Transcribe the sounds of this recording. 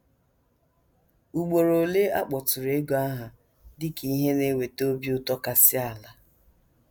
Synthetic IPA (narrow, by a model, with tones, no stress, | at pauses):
u˨ɡ͡bo˨ɾo˨le˦a̰˦k͡pɔ˨tʊ˨ɾe˨˦ɡo˨a˦ɦa˨ | dɪ˦ki˦i˦ɦe˦ne˦we˨to˦bi˦ʊ˦tɔ˦ka˨sɪ˦a˨la˦